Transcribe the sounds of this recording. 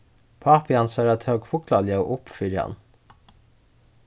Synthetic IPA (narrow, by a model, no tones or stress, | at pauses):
pʰɑːpʰɪɑnsɑːɾɑt̪hœːɡfʊkʰlɑljɑʊʔʊpfʏɾjɑ̰n